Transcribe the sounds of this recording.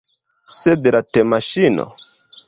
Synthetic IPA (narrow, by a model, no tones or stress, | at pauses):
sed̪latemaʃino̰